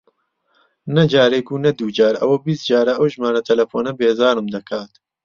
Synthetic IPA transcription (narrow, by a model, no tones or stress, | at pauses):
nɐd͡ʒaːɾejkunɐd̪uːd͡ʒaːɾɐ̰wɐbist̪̚d͡ʒaːɾɐʔɐwʒmaːnɐt̪ʰɐlɐfoːnɐbeːzaːnɨmd̪ɐkʰaːt̪